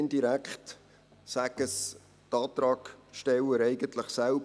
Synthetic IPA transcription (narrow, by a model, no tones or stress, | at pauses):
ndiɾækχt | sæɡəs | tɑːt̪ɾɑːkʃtɛwəɾɛɪɡəntləχsælb